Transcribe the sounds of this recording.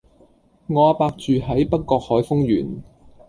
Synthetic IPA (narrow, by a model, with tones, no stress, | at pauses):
ŋɔː˨˧aː˧paː˧k̚t͡ʃyː˨ɦɐ˨˥jpɐ˥k̚ːɔː˧k̚hɔː˨˥jfʊ˥ŋjyː˨˩n